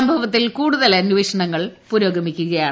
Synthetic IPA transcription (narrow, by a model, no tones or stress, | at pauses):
ɐmbʱɐʋɐt̪̬ːilkuːɽuðɐlɐnuʋeːɕɐɳɐŋːɐɭpuːɾo̞ːɡʱɐmikʲːuɣɐjaːɳ